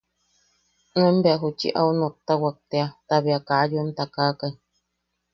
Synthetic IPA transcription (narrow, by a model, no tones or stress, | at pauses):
ʔɨembeaɦut͡ʃḭʔaunot̪ːawak̚t̪eat̪aβeakaʔjuent̪akakai